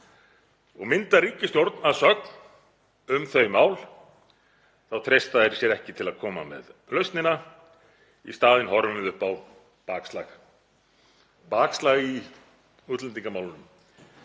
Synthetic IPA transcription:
ɔɣmɪnt̪aɾiːcɪst̪jowɾt̪naðsœkn | ʏmθœɥmaːwl | θawt̪ʰɾejst̪aðɛɾ̥sjɛɾɛhcɪt̪ʰɪlaðkʰɔːma̰mɛ̰ðlœɥst̪nɪna | ḭst̪aːðɪnhɔɾʏmɪðʏhpaw | paːkslax | paːkslaɣi | ut̪lɛnt̪iŋkamaːwlɪnʏm

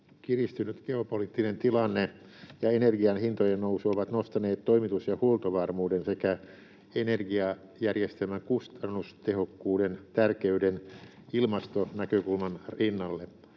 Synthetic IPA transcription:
kirist̪ynyt̪ɡ̥eopoliːt̪ːinent̪ilɑnːe | jɑenerɡiɑnhint̪ojennousuoʋɑt̪nost̪ɑneːt̪toimit̪usjɑhuolt̪oʋɑrmuːdensekæ | enerɡiɑ | jærjest̪elmæŋkust̪ɑnːust̪ehokːuːdent̪ærkeyden | ilmɑst̪onækøkulmɑnrinːɑlːe

